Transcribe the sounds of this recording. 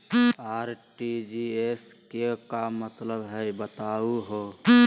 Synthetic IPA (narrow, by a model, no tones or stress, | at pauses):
aːɾʈid͡ʒieskekamət̪ləbɦɛbət̪aːuɦoː